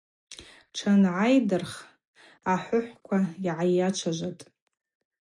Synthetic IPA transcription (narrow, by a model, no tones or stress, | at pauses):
ʈ͡ʂʰanʕajdɨrχ | aħʷʊħʷkʷʰaiʕajat͡ʃʷʰaʒʷatʼ